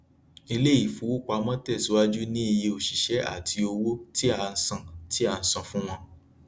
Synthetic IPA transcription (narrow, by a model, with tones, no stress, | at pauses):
i˧le˦i˦˨fu˨˦wu˦˨k͡pa˧mɔ̃˦tɛ˦˨si˨˦wa˦d͡ʒu˦nĩ˦i˧je˧o˨ʃi˨ʃɛ˨˦a̰˦˨tʰi˧o˧wo˦ti˦a˧n̩˨sã˨ti˦a˧˨˧n̩˨sã˨fũ˦w̃ɔ̃˦